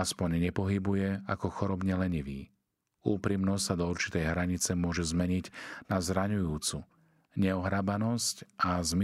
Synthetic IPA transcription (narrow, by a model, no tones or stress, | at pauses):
aspɔɲɲɛpɔɦibujɛakɔxɔɾɔbɲɛlɛɲiʋiː | uːpɾimnɔssad̪ɔuɾt͡ʃi̥t̪ɛjɦɾaɲit͡sɛmʊɔʒɛzmɛɲiɟnazɾaɲujuːt͡su | ɲɛɔɦɾabanɔscʔazm